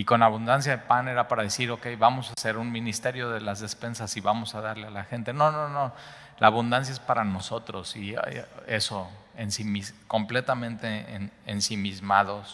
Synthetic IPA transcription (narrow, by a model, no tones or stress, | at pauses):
iko̞naβ̞und̪ans̬jaðepane̞ɾapaɾaðesiɾo̞ke̞jβamo̞sase̞ɾunmĩnist̪e̞ɾjo̞ðe̞lazðe̞spe̞nsasiβamo̞saðaɾlealaxe̞nt̪e̞no̞no̞no̞ | la̰ːβund̪ans̬jae̞spaɾano̞so̞t̪ɾo̞sia̰je̞so̞ | ensimisko̞mple̞t̪amẽ̞nt̪e̞nːnsimizmaðo̞s